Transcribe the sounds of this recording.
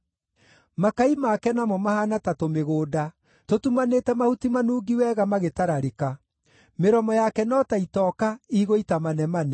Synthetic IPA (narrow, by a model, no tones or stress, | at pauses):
makaimakɛnamɔmahanatatomeɣoːda | totumanetɛmahutimanuːɡiwɛɣamaɣetaɾaɾeka | meɾɔmɔjakɛnɔtaitɔkaiɣoitamanɛmanɛ